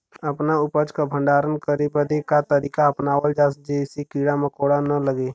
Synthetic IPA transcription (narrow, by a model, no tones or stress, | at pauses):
əpnaʊpət͡ʃkabʱə̃ɳɖaːɾənkəɾibəd̪ekat̪əɾiːkaɐpnaːwəld͡ʒaːsd͡ʒesikiːɽaməkoːɽanələɡeː